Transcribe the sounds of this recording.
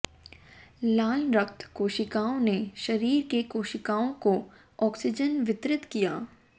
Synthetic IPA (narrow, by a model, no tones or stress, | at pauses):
laːɪnɾɐkt̪koːʃɪkaːõneʃɐɾiːɾkekoːʃɪkaːõko | ɔːksɪd͡ʒənʋɪt̪ɾɪt̪kijaː